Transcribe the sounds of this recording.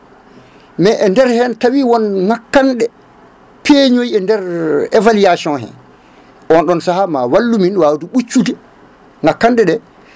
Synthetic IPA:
mɛʔɛndɛɾhɛntawiwɔnŋakːanɗɛ | peɲojiɛndɛɾɛvalijasiɔnɦɛ̰n | ʔɔnɗɔnsahamawalːuminwawduɓut͡ʃːudɛ | ŋakːanɗɛɗɛ

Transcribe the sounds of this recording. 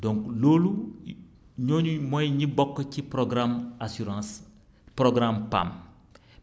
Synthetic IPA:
dɔ̃ŋkloːlu | ɲoɲumojɲibɔkːcipɾoɡɾamasyɾãs | pɾoɡɾampa̰m

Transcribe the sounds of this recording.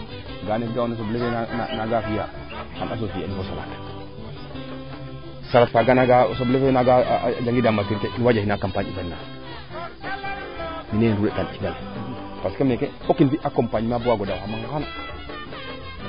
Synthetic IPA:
ɡanedaonas̬oblefean̰naɡafija | ka̰nas̬ofijainfosala̰tḁ | salatfaɡanaɡasoblefeaɡad͡ʒaŋɡidamakiɾkeʔinwad͡ʒainakampaɲḭfennːa | minenɾuɾekant͡ʃiɡale | paskemneke | okinfiʔakompaɲmabwaɡodaamaŋɡaxana

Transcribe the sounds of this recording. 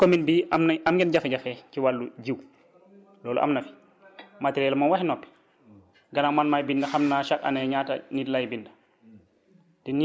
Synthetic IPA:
kominbiːamamɡɛnɟafeɟafɛciwalːuɟiw | lɔːlṵʔa̰mnɐfi̥ | matiɾɛlmanwahinɔpːi̥ | ɡɐnamanmajbindɐxamnaʃaka̰nɛɲaːta̰nitlajbindɐ | tɛni

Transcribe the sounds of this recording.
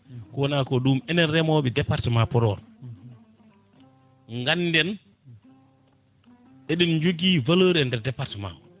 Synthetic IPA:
kɔwɔnakɔɗumɛnɛnɾɛmɔɓɛdɛpːaɾtimapɔɾɔ̰ɾ | ŋɡanːdɛn | ʔeɗind͡ʒoɡivaləːɾɛndɛɾdɛpːaɾtima̰w

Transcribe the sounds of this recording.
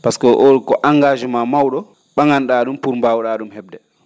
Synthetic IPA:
paskɔʔoɾkɔʔaŋɡaːd͡ʒɛmamawɗɔ | ɓaŋanɗaɗumpuɾmbawɗaɗumhɛb̚dɛ

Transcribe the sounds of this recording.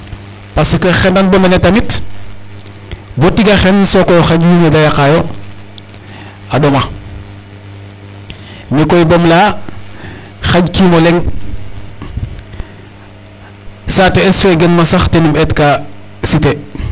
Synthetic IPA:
pasikoxendanbomenetamit | botiɡaxensokojoxaɟhumeɡajakajo | aɗoma | nekoibomlaː | xaɟkiːmoleŋ | sateesfeɡenmasaxtenumetka | site

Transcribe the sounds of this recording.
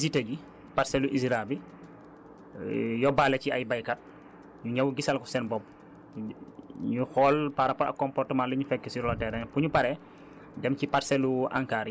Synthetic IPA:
ziteɡi | paɾsɛluʔisɾabi | jɔbalɛciajbajkat̚ | ɲuɲawuɡisɐlkɔsɛnbɔp̚ | ɲuxɔːlpaɾɐpɔɐ̰kːɔmpɔrtəmaːnlɛɲufɛkːɛsiɾɔlɔtɛɾɛnpuɲupaɾɛ | dɛmcipaɾsɛlua̰ŋkaɾi

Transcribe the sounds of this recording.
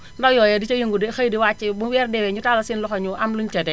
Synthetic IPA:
ndajɔjɛdit͡ʃajeŋɡudixajdiwat͡ʃːibuwɛɾdɛwɛɲutalasinlɔxɔɲuʔamluɲt͡ʃɛdɛ

